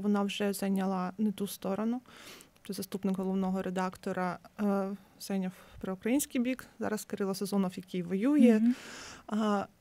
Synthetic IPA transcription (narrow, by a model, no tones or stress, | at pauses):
ʋɔnɑwʒɛzɑjnʲɐlˠɐnet̪ust̪ɔɾɔnʊ | t̪ɔzɐst̪upnɪɡɦɔlˠɔwnɔɦɔɾed̪ɑkt̪ɔɾɐ | z̥ajnʲɐwpɾɔʊkɾɐjinʲsʲkijbʲikzɑ̰ɾɐskɐɾɪlˠɐsezɔnɔwjɐkʲijʋɔjujɛ